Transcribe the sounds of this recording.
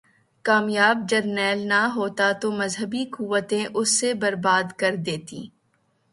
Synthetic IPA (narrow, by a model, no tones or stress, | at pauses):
kaːmjaːb̚d͡ʒɐɾnɛːlnɐɦoːt̪at̪omɐzɦəbikuʋət̪ẽʔʊsːebɐɾbaːd̪kɐɾd̪eːt̪ḭː